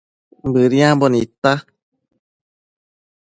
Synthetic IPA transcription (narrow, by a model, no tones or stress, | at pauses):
mbɨɾjãbonit̪a